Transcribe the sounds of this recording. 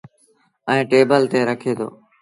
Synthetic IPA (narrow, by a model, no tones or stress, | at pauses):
əẽːʈeːbəlt̪eːɾəkʰeːt̪ʰo̰ː